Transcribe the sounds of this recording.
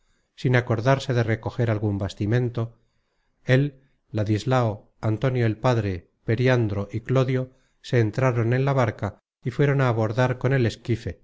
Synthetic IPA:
sinako̞ɾðaɾse̞ðe̞re̞ko̞xe̞ɾalɣumbast̪imẽ̞nt̪o̞ | e̞lː | aðizlao | ant̪o̞njoelpaðɾe̞ | pe̞ɾjand̪ɾo̞ʔiklo̞ðjo̞ | se̞ːnt̪ɾaɾo̞ne̞nlaβ̞aɾka | ifwe̞ɾo̞naːβ̞o̞ɾðaɾko̞ne̞le̞skife̞

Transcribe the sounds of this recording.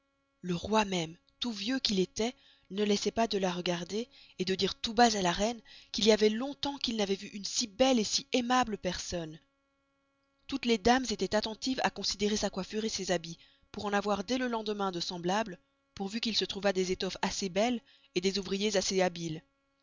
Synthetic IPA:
ləʁwamɛm | t̪uvjøkilet̪ɛ | nəlɛsɛpad̪əlaʁəɡaʁd̪eː | d̪əd̪iʁt̪ubazalaʁɛnkiliavɛlɔ̃t̪ɑ̃kilnavɛvyʔynsibɛlesiemabləpɛʁsɔn | t̪ut̪led̪amzet̪ɛt̪at̪ɑ̃t̪ifa̰kɔ̃sid̪eʁesakwafyʁesezabi | puʁɑ̃navwaʁd̪ɛləlɑ̃d̪əmɛ̃d̪əsɑ̃blablə | puʁvykʲilsət̪χuvad̪ezet̪ɔfasebɛl | ed̪ezuvʁijezaseabil

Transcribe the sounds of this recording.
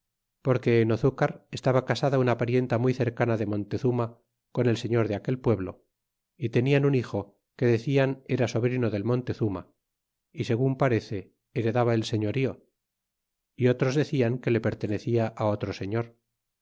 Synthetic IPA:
po̞ɾke̞ːnoθukaɾest̪aβakasaðaunapaɾje̞nt̪amijθe̞ɾkanaðe̞mõ̞nt̪eθuma | ko̞nelse̞ɲo̞ɾðeake̞lpwe̞βlo̞̰ | it̪e̞nianunixo̞ | ke̞ðe̞θiane̞ɾaso̞βɾinoðe̞lmo̞nt̪e̞θuma̰ | ise̞ɣ̞umpaɾe̞θe̞ː | ɾe̞ðaβaelse̞ɲo̞ɾio̞ | io̞t̪ɾo̞zðe̞θiaŋke̞le̞pe̞ɾt̪e̞ne̞θiaʔao̞t̪ɾose̞ɲo̞ɾ

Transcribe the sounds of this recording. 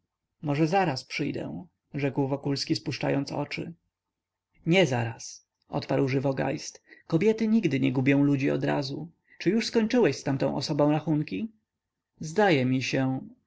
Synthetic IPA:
mɔʐɛzaɾaspʂɘjd̪ɛ̰ | ʐɛkwvɔkulskʲispuʂt͡ʂa̰jɔnt̪sɔ̰t͡ʂɘ̰ | ɲɛzaɾas | ʔɔ̰t̪paɾwʐɘvɔɡa̰jst̪kɔbʲjɛt̪ɘɲiɡd̪ɘɲɛɡubʲjɔ̃w̃lud͡ʑiɔ̰d̪ɾa̰zu | t͡ʂɘjuʂskɔɲt͡ʂɘwɛɕst̪amt̪ɔ̃w̃ʔɔ̰sɔbɔ̃w̃ɾaxuŋkʲi | zd̪ajɛmʲiɕɛ

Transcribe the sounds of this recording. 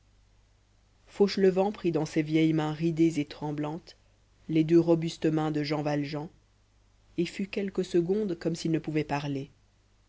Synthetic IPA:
foʃləvɑ̃pχid̪ɑ̃sevjɛjmɛ̃ʁid̪ezet̪χɑ̃blɑ̃t̪ | led̪øʁɔbyst̪mɛ̃d̪əʒɑ̃valʒɑ̃ | efykʲɛlkəsəɡɔ̃d̪kɔmsilnəpuvɛpaʁle

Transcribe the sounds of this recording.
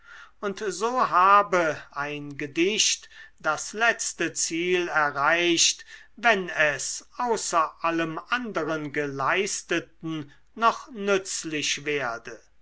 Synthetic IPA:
ʊntzoːɦaːbəʔaɪnɡədɪʃtd̥aslɛt͡stət͡siːlɛɐʁaɪʃtvɛnɛsʔaʊsɐʔaləmʔandəʁənɡəlaɪst̪ətn̩ | nɔχnʏt͡slɪʃveːɐdə

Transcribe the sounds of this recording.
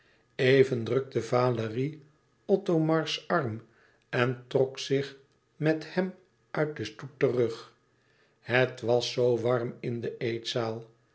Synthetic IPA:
ejvəndrøk̚dəvaːləri | ɔtomɑɹsɑrm | ɛntrɔksɪχ | mɛthɛm | œɥt̚dəstuttərøχ | hətʋɑsːowʋɑrmɪndəʔejtsaːlˠ

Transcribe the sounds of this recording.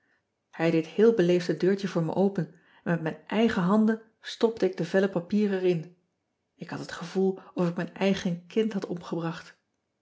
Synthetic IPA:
hɛjdɪthɪːlˠbəlejftədøːɹtəvʊːɹmɛ̰ʔowpən | ɛnmɛtmɛjnʔɛjχəɦɑndən | stɔp̚təɪɡ̚dəvɛləpapiːrɛrɪn | ɪkhɑtɦətχəvulˠɔfɪk̚mɛjnɛjχənkɪntɦɑtɔmχəbrɑχt

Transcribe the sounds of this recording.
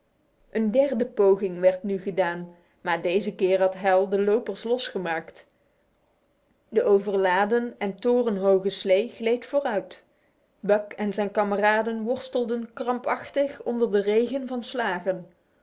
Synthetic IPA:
ʔəndɛrdəpowχɪŋʋɛɹtnyχədaːn | maːɹdejzəkɪːɹɦɑtɦɛlˠdəlowpəɹslɔsχəmaːkt | dəʔowvərlaːdənɛntʊːrənɦowχəslejχlejtfʊːrœɥt | bœkɛnzɛjnkɑməraːdənʋɔɹstəlˠdənkrɑmpɑχtəχɔndəɹdərejɣənvɑnslaːχən

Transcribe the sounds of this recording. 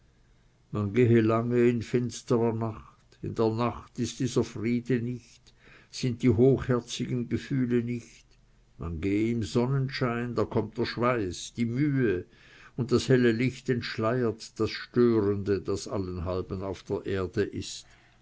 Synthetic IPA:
manɡeːəlaŋəɪnfɪnstəʁɐnaχtɪ̰ndeːɐnaχtɪst̚d̥iːzɐfʁiːdənɪçt | z̥ɪnt̚d̥iːɦoːxhɛɐt͡sɪɡənɡəfyːlənɪçt | manɡeːəɪmzɔnənʃaɪndaːkʰɔmt̚d̥eːɐʃv̥aɪsd̥iːmyːə | ʊnt̚d̥ashɛləlɪçtɛntʃlaɪətd̥asʃtøːʁəndəd̥asalənɦalbənaʊfd̥eːɐʔeːɐdəʔɪst

